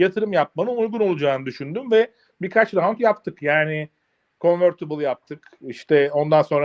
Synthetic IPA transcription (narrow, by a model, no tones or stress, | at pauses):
jat̪ʰɯɾɯmjap̚manɯnujɡuno̞lˠud͡ʒaːnɯd̪yʃynd̪ymvɛ | biɾkʰat͡ʃd̪aɦankjap̚t̪ʰɯkjaːnɪ | kʰo̞nvøɾt̪ʰɯbɯlˠɯjap̚t̪ʰɯk | iʃt̪ʰɛo̞nd̪anso̞nɾa